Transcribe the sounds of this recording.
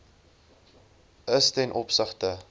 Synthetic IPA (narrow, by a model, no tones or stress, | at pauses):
əstɛnʔɔpsəχtə